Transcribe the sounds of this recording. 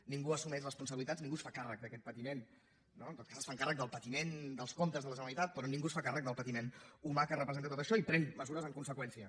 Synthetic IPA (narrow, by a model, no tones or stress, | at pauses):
niŋɡuəsumɛʃrəspunsəβilit̪ad͡zniŋɡusfakarək̚d̪əkɛt̪̚pət̪imen | nont̪ot̪kazsfaŋkarək̚d̪əlˠpət̪imend̪əlˠskomt̪əzðələʒənəlit̪at̪̚pɾɔnĩŋɡusfakarək̚d̪əlˠpət̪imenumakərəpɾəzent̪ət̪ot̪əʃɔipɾɛnməzuɾəzəŋkunsəkwɛnsiə